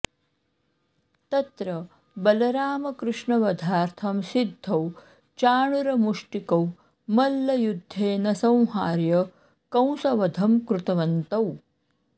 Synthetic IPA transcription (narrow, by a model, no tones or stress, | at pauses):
t̪ɐt̪ɾɐ | bɐlɐɾaːmɐkɾɪʂɳɐʋɐd̪ʱaːɾt̪ʰɐmsid̪ʱːɐw | t͡ʃaːɳuɾɐmuʂʈikɐw | mɐlːɐjud̪ʱːeːnɐsɐ̃w̃ɦaːɾjɐ | kɐ̃w̃sɐʋɐd̪ʱɐmkɾut̪ɐʋɐnt̪ɐw